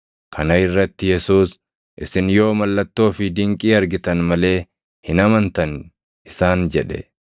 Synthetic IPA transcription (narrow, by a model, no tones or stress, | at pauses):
kʰɐnɐɪrːɐt̪ːɪjɛsuːs | ʔɪsɪnjo̞ːmɐlːɐt̪ːo̞ːfɪd̪ɪŋkʼiːɐɾɡɪt̪ɐnmɐle̞ː | hɪnɐmɐnt̪ɐn | ɪsaːnd͡ʒɛᶑɛ̰